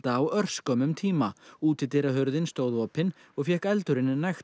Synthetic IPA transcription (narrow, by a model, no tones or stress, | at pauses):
t̪aːwœr̥skœmʏmt̪ʰiːmauːt̪ɪt̪ɛɾaɦœɾðɪnst̪oːwðvɔːpɪn | ɔɣfjɛhkɛlt̪ʏɾɪnːɪnajxt̪